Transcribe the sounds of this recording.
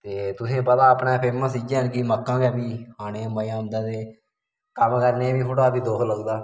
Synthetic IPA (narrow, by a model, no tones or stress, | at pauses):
t̪eːt̪ʊsẽːpət̪ãːəpnaːpʰeːməsid͡ʒeːənkiməkːãːkɛːbiːhaːɽ̃eːməjãːʊnd̪aːt̪eː | kəmkəɾneːbiːkʰʊʈaːbiːd̪oːkʰləɡd̪aː